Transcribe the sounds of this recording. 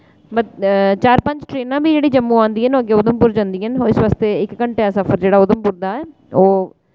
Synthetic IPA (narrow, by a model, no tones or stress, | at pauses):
bət̪t͡ʃaːɾpə̃ɲd͡ʒʈɾeːnãːbʱiːd͡ʒeːɽiːd͡ʒəmːũːãːnd̪iːɦɛnoːəɡːeːʊd̪əmpʊɾd͡ʒãːnd̪iːɦənɦoːɪsʋaːst̪eːɪkːəɳʈeːasəfʰəɾd͡ʒeːɽaːʊd̪əmpʊɾd̪aːɛː | oː